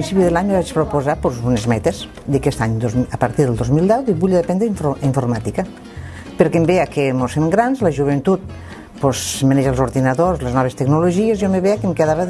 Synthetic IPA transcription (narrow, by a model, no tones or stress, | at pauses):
pɾinsipiðelaɲeβat͡ʃpɾopozapozunezmɛt̪ez | d̪əkɛst̪aɲd̪ozəpaɾt̪iɾðelˠd̪ozmilˠd̪ɛwd̪iβuʎðepɛnd̪ɾiɱfiɱfuɾmat̪ika | peɾkembeakemosemɡɾanzləʒuβ̞ent̪ut̪̚ | pozmeneʒalˠzuɾðinaðozleznɔβest̪eɡnuloʒiezjomeβeakemkeðaβe